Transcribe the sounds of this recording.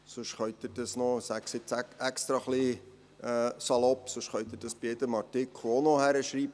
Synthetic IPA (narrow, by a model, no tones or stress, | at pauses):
sʊʃχœʏt̪̚əd̥ɑsnɔsæksɪt͡sæɛkst̪ɾɑχli | ɛsɑlɔpːsʊʃχœʏt̪̚əd̥ɑsb̥ijɛd̪əmɑɾtɪkonohæɾəʃɾiːp̚